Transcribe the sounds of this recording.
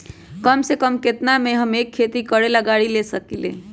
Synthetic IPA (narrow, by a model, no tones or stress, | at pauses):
kəmsekəmket̪nameɦəmekʰːet̪ikəɽelaɡaɽilesəkilḛ̃